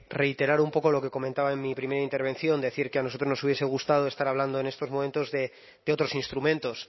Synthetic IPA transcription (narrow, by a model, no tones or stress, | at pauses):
re̞ijt̪e̞ɾaɾumpo̞ko̞lo̞ke̞ko̞ment̪aβaenmipɾime̞ɾaint̪eɾβ̞e̞nθjo̞nd̪e̞θiɾkeanosot̪ɾo̞zno̞suβjese̞ɣ̞ust̪að̞oest̪aɾaβ̞land̪oe̞nest̪o̞zmo̞ment̪o̞zðe̞ | d̪eo̞t̪ɾosinst̪ɾumẽ̞nt̪o̞s